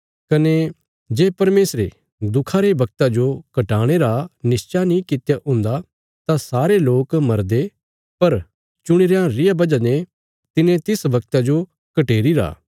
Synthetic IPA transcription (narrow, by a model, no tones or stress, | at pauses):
kɐne | d͡ʒeːpɐɾmeːsɾḛ | d̪ʊkʰaɾebɐk̚t̪ad͡ʒokɐʈaːɽ̃eɾanɪst͡ʃanĩkɪt̪jaʔʊ̃ːnd̪a | t̪asaːɾeloːkmɐɾd̪e | pɐɾ | t͡ʃʊɽ̃iɾejãɾɪjabɐd͡ʒane | t̪ɪnẽt̪ɪsʋɐk̚t̪ad͡ʒo | kɐʈeːɾiɾa̰ː